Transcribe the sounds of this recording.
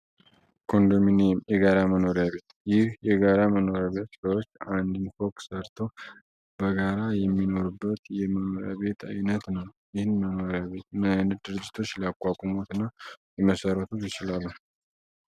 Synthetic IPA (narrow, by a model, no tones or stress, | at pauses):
kʰo̞nd̪ominemjɛɡaɾaməno̞ɾjaβe̞t̪jɪhjɛɡaɾaməno̞ɾjaβe̞t̪səwot͡ʃːand̪infoksəɾt̪ʰo̞ | b̥əɡaɾajɛmːino̞ɾubːət̪jɛməno̞ɾja̰βe̞t̪ʰa̰jnət̪nəwjɪhɨnməno̞ɾjaβe̞t̪mənɨd̪ɨɾɨd͡ʒːɪ̥t̪ʰo̞t͡ʃːləakʼːakʼumot̪ɨnːajɛməsəɾət̪ʰujɪt͡ʃɪlalːuh